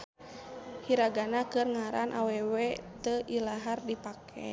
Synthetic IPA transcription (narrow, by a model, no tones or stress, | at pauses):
hiɾaɡanakɨrŋaɾanʔa̰wɛwɛt̪əʔilaɦardipakʰɛ̰